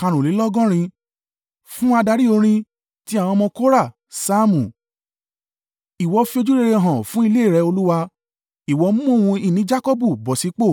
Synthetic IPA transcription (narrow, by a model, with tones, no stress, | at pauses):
kã˧ɾ̃ũ˨li˨˦lɔ˦ɡɔ̃˦ɾ̃ĩ˧ | fũ˦a˧da˧ɾi˦o˧ɾ̃ĩ˧ | ti˦a˦˨w̃ɔ̃˧mɔ̃˧ko˦ɾa˦˨ | saː˦mũ˨ | i˨wɔ˨˧fi˧o˧d͡ʒu˦ɾe˧ɾe˧ɔ˧ɦɔ̃˨fũ˦i˧le˦˨ɾɛ˨˧˦o˧lu˦wa˧ | i˨wɔ˨˧˦mũ˦mõ˦˨ũ˧i˦˨nĩ˨˦d͡ʒa˦ko˦bu˦˨bɔ˨si˨˦k͡po˦˨